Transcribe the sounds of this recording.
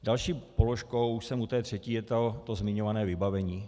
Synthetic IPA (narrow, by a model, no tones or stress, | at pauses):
dalʃiːpoloʃkowuʃsɛmut̪ɛːt̪r̝̥ɛciːjɛt̪ot̪ozmɪɲovanɛːvɪbavɛɲiː